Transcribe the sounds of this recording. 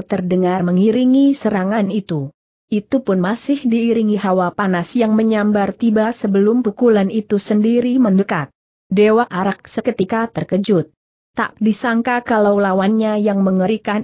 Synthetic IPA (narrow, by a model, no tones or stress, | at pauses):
t̪ərdəŋarməŋiɾiŋisəɾaŋanit̪u | ʔit̪upʊnmasɪhdiːɾiŋiɦawapanasjaŋməɲambart̪ibasəbəlʊmpukulanit̪usəndiɾiməndəkat̪̚ | dewaʔaɾak̚səkət̪ikat̪ərkəd͡ʒʊt̪̚ː | a̰ʔ̚disaŋkakalawlawanɲajaŋməŋəɾikan